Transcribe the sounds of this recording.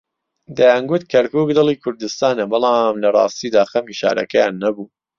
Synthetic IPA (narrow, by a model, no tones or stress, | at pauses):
d̪ajaːnɡʊt̪kʰɐɾkuːkd̪ɨlˠiːkʰʊɾd̪ɨst̪aːnɐbɨlˠɑːmlɐrˤɑ̰ːst̪iːd̪aːxɐmiʃa̰ːɾʔɐ̰kɐjaːnːɐbuː